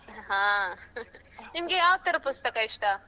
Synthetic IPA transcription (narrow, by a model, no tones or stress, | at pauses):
ɦãː | nimɡejaːʋt̪ːɐɾɐpust̪ɐkaiʂʈɐ